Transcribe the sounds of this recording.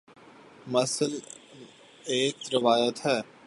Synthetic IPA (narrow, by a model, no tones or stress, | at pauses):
mɐsəl | eːk̚ɾɪʋaːjət̪ɦɛː